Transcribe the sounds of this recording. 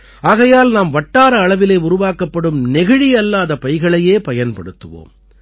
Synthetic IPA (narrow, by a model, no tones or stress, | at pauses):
aːɣɐjaːlnaːmʋɐʈːaːɾɐːɭɐʋɪleːʊɾʊʋaːkɐpːɐɽɯmnɛɣɪɻijɐlːaːðɐpɐɪɣɐɭɐjeːpɐjɐnpɐɽɯt̪ːɯʋo̰ːm